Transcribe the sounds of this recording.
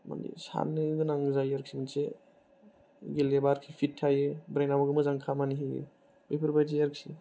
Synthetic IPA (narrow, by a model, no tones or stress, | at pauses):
ma̰nḭsa̰nɯɡɯnaŋzajaɾk̚siminse | ɡelebaɾkʰipʰitʰːajɯbɾajnamaɡɯmɯzaŋkʰamaniɦiɯ̰ | bejpʰɯɾbajzajaɾk̚si